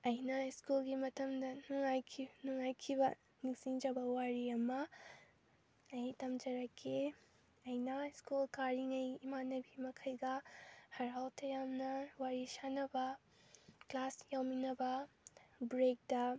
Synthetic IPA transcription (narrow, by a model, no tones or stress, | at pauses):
ɐjnɐskulɡimɐtʰɐmdɐnuŋajkʰinuŋajkʰibɐ | niŋsiŋd͡ʒɐbɐwaɾiɐmɐ | ɐjitɐmd͡ʒɐɾɐkʰːe | ɐjnɐskulkaɾiŋɐjimanɐbimɐkʰɐjɡɐhɐɾawtʰɐjamnɐwaɾisanɐbɐ | klasjawminɐbɐ | bɾek̚dɐ